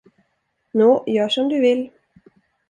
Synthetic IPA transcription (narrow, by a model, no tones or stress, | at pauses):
noːjœːʂɔmd̪ɵvɪlː